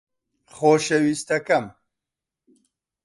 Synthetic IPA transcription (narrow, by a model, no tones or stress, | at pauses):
χoːʃɐwist̪ɐkɐm